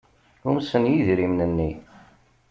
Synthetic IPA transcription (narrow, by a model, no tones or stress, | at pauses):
umsənjiðɾimnənːi